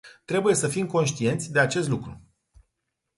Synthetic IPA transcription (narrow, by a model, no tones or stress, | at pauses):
t̪ɾe̞buje̞səfimko̞nʃt̪ie̞nt̪sʲd̪e̞at͡ʃe̞st̪lukɾu